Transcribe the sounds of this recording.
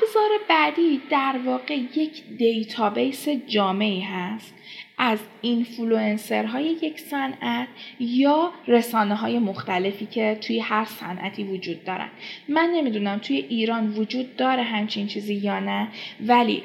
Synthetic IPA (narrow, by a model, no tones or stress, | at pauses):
bzɒːɾe̞bæd̪iːd̪æɾvɒːɣe̞je̞cʰd̪e̞jt̪ʰɒːbejse̞d͡ʒɒːme̞iːɦæst̪ʔæz | infulue̞nse̞̰ɾɦɒːje̞je̞csænʔæt̪ʰjɒːre̞sɒːneɦɒːje̞moxt̪æle̞fiːcʰe̞t̪ʰujehæɾsæ̰nʔæ̰t̪ʰiːvod͡ʒuːd̪ːɒːɾæ̰nd̪mænːe̞mid̪unæmt̪ʰuje̞ʔiːɾɒːnvod͡ʒuːd̪̚ːɒːɾeɦæmt͡ʃʰint͡ʃʰiːziːjɒːnævælḭː